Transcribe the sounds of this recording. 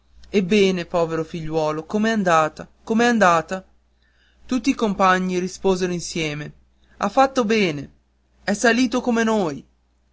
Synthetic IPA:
ebːɛːnepɔːveɾofiʎːwɔːlokomeɛand̪aːt̪akomeɛand̪aːt̪a | t̪ut̪ːiːkompaɲːiɾispoːzeɾoinsjɛːme | afːat̪ːobɛːne | ɛsaliːt̪okomenoːj

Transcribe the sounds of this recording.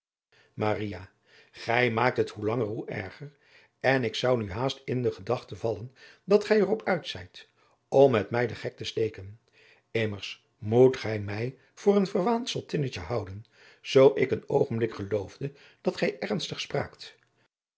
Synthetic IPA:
maːrija | χɛjmaːk̚tɦətɦulɑŋərɦuʔɛ̰ɹχəɹ | ɛnɪksɑwnyɦaːstɪndəχədɑχtəvɑlən | dɑtχɛjərɔpʰœɥtsɛjt | ɔmːɛtmɛjdəχɛk̚təstejkən | ɪməɹs | mutχɛjmɛj | v̥ʊːrənvəɹʋantsəlˠtɪnət͡ʃəɦɑwdən | z̥owʔɪkənowχənblɪkχəlowvdə | d̥ɑtχɛjʔɛɹnstəχspra̰ːkt

